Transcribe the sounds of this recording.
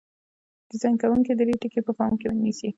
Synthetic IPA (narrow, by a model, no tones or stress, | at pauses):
d̪̥əzaŋkawuŋkid̪əɾeʈəkepəpɑmkewənisi